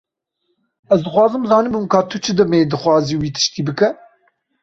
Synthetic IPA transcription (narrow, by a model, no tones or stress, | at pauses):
ɛzd̪ɨxwɑːzɨmzɑːnɨbumkʰɑːt̪ʰut͡ʃʰɨd̪ɛmeːd̪ɨxwɑːziːwiːt̪ʰɨ̥ʃt̪iːbɨkɛ